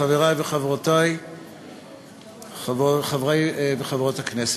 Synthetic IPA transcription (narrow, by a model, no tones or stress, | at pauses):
aveʁajbeχavʁotaj | χvoχavʁajbeχavʁothaknese